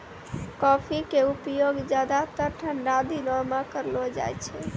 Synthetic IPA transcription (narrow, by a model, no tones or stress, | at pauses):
kɔpʰikeupjoɡd͡ʒjad̪at̪əɾʈʰənɖad̪inɔmakəɾlɔd͡ʒa̰jt͡ʃʰɛ